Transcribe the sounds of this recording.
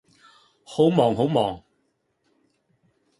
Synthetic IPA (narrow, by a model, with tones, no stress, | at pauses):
ho˨˥wmɔː˨ŋɦo˨˥wmɔː˨˩ŋ